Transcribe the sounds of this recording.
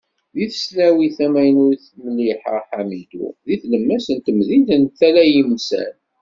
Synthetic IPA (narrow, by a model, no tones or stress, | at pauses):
ðiθsnæwiθæmæjənʊɾiθməlːiħə̰ħamid̪ṵðiθləmːæsənt̪əmðiðənt̪ːælæjimsæ̰n